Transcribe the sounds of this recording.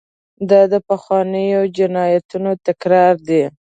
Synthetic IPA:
d̪ɑd̪əpaxwɑnəjod͡ʒɪnɑjat̪unot̪akɾɑɾd̪e

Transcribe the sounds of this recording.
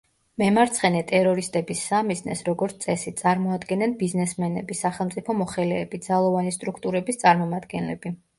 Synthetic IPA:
mɛmaɾt̪sʰχɛnɛt̪ʼɛɾɔɾist̪ʼɛbisːamiznɛ̰sɾɔɡɔɾt̪t̪ʼɛsit̪sʼaɾmɔad̪ɡɛnɛnbiznɛsmɛnɛ̰bisaχɛlˠmt̪sʼipʰɔmɔχɛlɛːbid̪zalˠɔvanist̪ʼɾukʰt̪ʼuɾɛbist̪sʼaɾmɔmad̪ɡɛnlɛ̰bi

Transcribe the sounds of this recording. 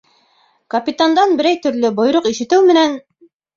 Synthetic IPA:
kɐpʲit̪and̪ɑnbɘ̆ɾæjt̪ɵ̆ɾlɵbŏjɾoqiʃɘ̆t̪ɘwmɘ̆næn

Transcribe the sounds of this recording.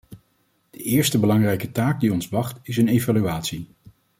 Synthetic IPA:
d̥əʔɪːɹstəbəlɑŋrɛjkətaːɡ̚diɔnzʋɑχtɪsənejvalyaːtsi

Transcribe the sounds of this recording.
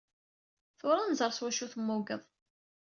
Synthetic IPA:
θʊɾˤanzˤəɾˤswæʃuθəmːʊɡəðˤ

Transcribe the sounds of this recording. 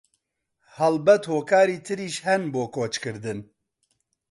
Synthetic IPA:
hɐlbɛt̪hoːkʰaːɾiːt̪ʰɨɾiːʃhɛnboːkoːt͡ʃkɨɾd̪ɨn

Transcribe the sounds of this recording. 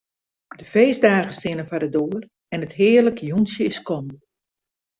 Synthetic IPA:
dəfeːzdaːɣəstɪnəfadədoːər | ɛnəthɪːərləkjunsjəɪskɔm

